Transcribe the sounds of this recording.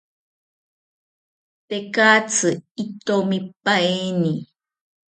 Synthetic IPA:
tekat͡sɨit̪omipaeni

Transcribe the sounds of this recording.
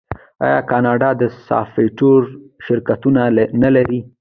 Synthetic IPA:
ɑ̰jɑkɑnɑɖɑd̪əsɑ̰feʈoɾʃɪɾkat̪unanalaɾi

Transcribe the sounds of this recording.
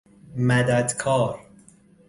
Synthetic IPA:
mæd̪æd̪kʰɒːɾ

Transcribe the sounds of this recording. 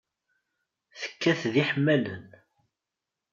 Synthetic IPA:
θə̥kːæθðiħəmːælən

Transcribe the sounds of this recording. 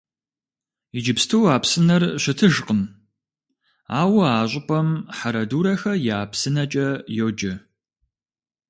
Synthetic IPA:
id͡ʒɪpstʰɨwaːpsɨnɐrɕɪtʰɨʒqən | aːwɐaːɕʷʼʊpʼɐmħaɾɐduːɾɐxɐjaːpsɨnɐt͡ʃʼɐjod͡ʒɐ

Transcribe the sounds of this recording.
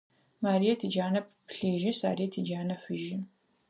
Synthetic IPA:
maːɾijɛtʰid͡ʒaːnɐp̚pɬeːʒɪsa̰ːɾijɛtʰid͡ʒaːnɐfɨʒɪ

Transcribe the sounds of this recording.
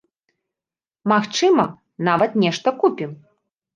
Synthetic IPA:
maxt͡ʂɨmɐ | navɐt̪nʲɛʂt̪ɐkupʲim

